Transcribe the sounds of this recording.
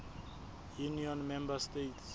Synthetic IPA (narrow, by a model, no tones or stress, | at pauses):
juniɔnmɛmbastets